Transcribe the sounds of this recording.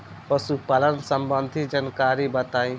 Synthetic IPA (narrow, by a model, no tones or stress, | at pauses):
pəsupalənsəmbənd̪ʱid͡ʒənkaːɾibət̪aːĩ